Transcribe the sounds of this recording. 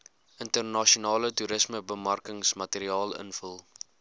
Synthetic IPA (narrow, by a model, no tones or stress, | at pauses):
əntərnɐʃionɑːlətuɾəsməbəmɐrkəŋsmɐteɾiɑːlˠə̰nfəlˠ